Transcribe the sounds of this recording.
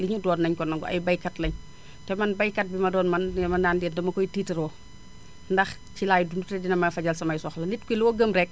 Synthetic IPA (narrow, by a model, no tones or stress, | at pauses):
liɲudɔːnnːɐɲkɔnːɐŋɡɔʔɐ̰jbɐjkɐtlɐɲ | tɛmɐnbɐjkɐt̚bimɐdɔːnmɐnɛmɐndaːndɛːndɐmɐkɔjtiːtɐɾɔː | ndɐx | cilaːjdundutɛdinɐmɐfɐɟɐlsɐmɐjsɔxlɐlitkujlɔːɡəmɾɛk̚